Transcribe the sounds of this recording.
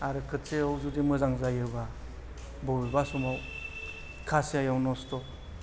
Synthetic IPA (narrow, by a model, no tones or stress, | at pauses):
aɾɯkʰɯtseawzudimɯzaŋzajɯba | bɔbibasumaw | kʰasijajawnɔstɔ